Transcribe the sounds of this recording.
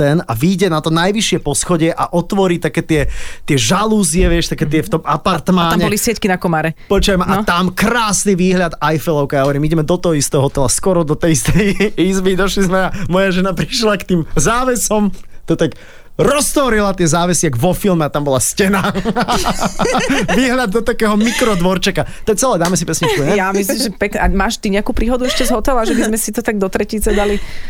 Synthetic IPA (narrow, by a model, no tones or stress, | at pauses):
ɛnaʋiːɟɛnat̪ɔnajʋiʃɪɛpɔsxɔɟɪɛʔaʔɔt̪ʋɔɾiːt̪akɛːt̪ɪɛt̪ɪɛʒaluːzɪɛʋɪɛʃt̪akɛːt̪ɪɛft̪ɔmapaɾt̪maamɲɛbɔlisɪɛckinakɔmaɾɛpɔt͡ʃʊajmaʔat̪amkɾaːsniʋiːɦlʎad̪ajfɛlˠɔʊkajaɦɔʋɔɾiːmiɟɛmɛd̪ɔt̪ɔɦɔist̪ɛːɦɔt̪ɛlaskɔɾɔd̪ɔt̪ɛjist̪ɛjizbid̪ɔʃlizmɛamɔjaʒɛnapɾiʃlakt̪iːmzaːʋɛsɔmt̪ɔt̪ak | ɾɔst̪ɔɾilat̪ɪɛzaːʋɛsiaɡʋɔfilˠmɛat̪ambɔlascɛna | ʋiːɦʎad̪̚ːɔt̪akɛːɦɔmikɾɔd̪ʋɔɾt͡ʃɛkat̪ɔɛt͡sɛlɛːd̪aːmɛsipɛsɲit͡ʃkuɲɛjamisimʒɛpɛknɛʔamaːʃt̪iɲɛakuːpɾiːɦɔd̪uɛʃcɛzɦɔt̪ɛlaʒabizmɛsit̪ɔt̪aɡ̚d̪ɔt̪ɾɛciːt͡sɛd̪ali